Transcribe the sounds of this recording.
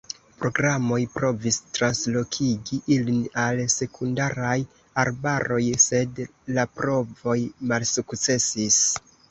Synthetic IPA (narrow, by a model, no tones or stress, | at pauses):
pɾo̞ɡɾamo̞jpɾo̞vistɾanslo̞kʰiɡiʔilinalse̞kʰundaɾaj | aɾbaɾo̞jse̞d | lapɾo̞vo̞jmalsukt͡se̞sis